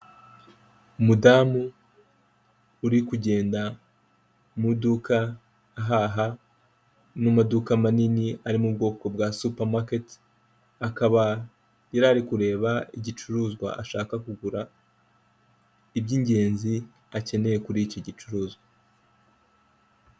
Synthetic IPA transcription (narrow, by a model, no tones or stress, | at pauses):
umudaːmu | ɾikuɟe̞ːnda | mudukaː | ɦaɦa | numadukamaniniaɾimub̚ɡo̞ːko̞b̚ɡasupaɾmaket | akaβa | jaɾaɾikuɾe̞ːβaiɟit͡ʃuɾuːzɡwa̰a̰ʃaːkakuɡuɾa | ibɟiɲɟe̞ːnzi | ace̞ne̞je̞kuɾico̞ɟit͡ʃuɾuːzɡwa